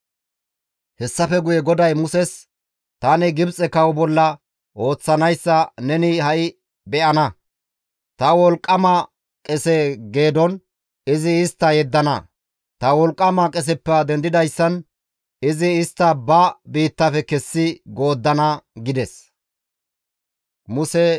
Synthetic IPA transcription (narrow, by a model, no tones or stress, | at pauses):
hɛsːɐfɛɡʊjɛɡɔd̪ɐjmʊsɛs | t̪aːnɪɡɪbt͡sʼɛkɐwbɔlːɐ | ʔo̞ːt͡sːɐnɐjsːɐnɛnɪhɐʔɪ | bɛʔɐnɐ | t̪ɐwɔlkʼːɐmɐ | kʼɛsɛɡe̞ːd̪ɔn | ɪzɪːst̪ːɐjɛd̪ːɐnɐ̰ | t̪ɐwɔlkʼːɐmɐkʼɛs̬ɛpːɛɐd̪ɛnd̪ɪd̪ɐjsːɐn | ɪzɪːst̪ːɐbɐbiːt̪ːɐfɛkɛsːɪɡo̞ːd̪ːɐnɐɡɪd̪ɛs | mʊsɛ